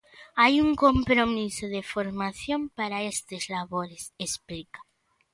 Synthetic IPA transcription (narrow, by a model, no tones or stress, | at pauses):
ajuŋkompɾomisoðefoɾmaθjompaɾaest̪ezlaβoɾesesplikḁ